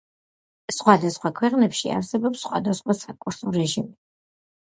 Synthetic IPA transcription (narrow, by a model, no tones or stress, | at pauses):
sχwad̪asχwakʰwɛqʼnɛpʃia̰ɾsɛbɔpsːχwad̪asχwasakʼuɾsɔɾɛʒimi